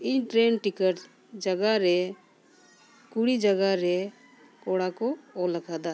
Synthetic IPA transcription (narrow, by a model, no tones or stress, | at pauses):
iɲʈɾenʈikəʈ | d͡ʒəɡaɾɛ | kuɽid͡ʒəɡaɾɛ | kɔɽakɔːlakʰad̪a